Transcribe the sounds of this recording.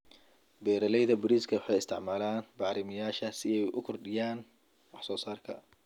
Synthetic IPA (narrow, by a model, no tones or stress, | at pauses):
bɛːɾɐlɛjðɐbʊɾiːskʰɐwɑħɑjɪst̪ʰɪʕmaːlaːnbɑʕɾɪmɪjaːʃɐsɪɛjʔʊ̰kʰʊrɖɪjaːn | wɑħsɔːsaːrkʰɐ̰